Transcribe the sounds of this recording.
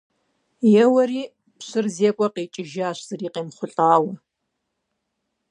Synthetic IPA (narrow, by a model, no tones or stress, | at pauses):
jɛwɐriː | pɕɨrzeːkʷʼɐqeːt͡ʃʼɪʒaːɕz̥ɐriːqeːmχʷʊɬʼaːwɐ